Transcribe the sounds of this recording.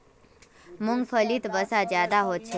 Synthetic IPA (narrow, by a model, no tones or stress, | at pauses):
muŋɡfʰəliːt̪bəsad͡ʑjad̪aɦot̪̚t͡ɕʰe